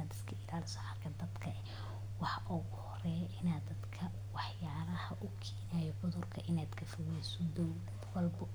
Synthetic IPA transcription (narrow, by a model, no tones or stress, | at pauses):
ad̪ɪskʰɐʔɪlaːlɪsɐħɑrkʰɐd̪ɐd̪kʰɐʔɛ | wɑħɑʔɔɣʊhɔrɛːjʔɪnaːd̪ɐd̪kʰɐ | wɑħjaːɾɐhɐʔʊkʰiːnaːjɔʕʊðʊrkʰɐʔɪnaːd̪kʰɐfɔwɛjsɔd̪ɔwd̪ɐd̪wɐlbɔ